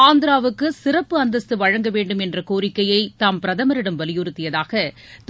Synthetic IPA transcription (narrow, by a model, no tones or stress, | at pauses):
aːnd̪ɪɾaːʋɯkːɯsɪrɐpːɯɐnd̪ɐst̪ːɯʋɐɻɐŋɡɐʋeːɳɖɯmɛndrɐkoːɾɪkːɐjɐɪt̪ampɪɾɐðɐmɐɾɪɽɐmʋɐlɪjɯɾɯt̪ːɪjɐðaːɣɐ | t̪